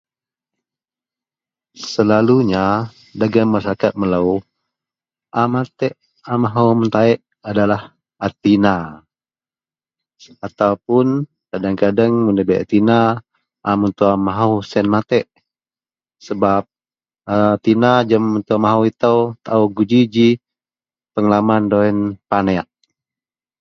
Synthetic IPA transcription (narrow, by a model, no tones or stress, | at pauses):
səlaluɲa | daɡamːasaɾakat̪̚məlau | ʔamat̪ɛʔ | amaɦəwmənt̪aɛʔ | adalah | at̪ina | at̪aupʊn | kadaŋkadaŋmundəbɛʔa̰t̪ina | ʔːmunt̪uamaɦəwsɛnmat̪ɛʔ | səbap̚ | at̪inad͡ʒəmənt̪uamaɦəwit̪əwt̪auɡud͡ʒid͡ʒi | pəŋlamandoɛnpanɛaʔ